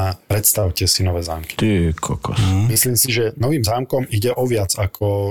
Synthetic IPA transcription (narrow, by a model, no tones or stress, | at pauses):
apɾɛt̪st̪aʊcɛsinɔʋɛːzaːmki̥t̪ikʰɔkɔ̰smisliːmsiʒɛnɔʋiːmzaːmkɔmiɟɛʔɔʋɪad͡zakʰɔ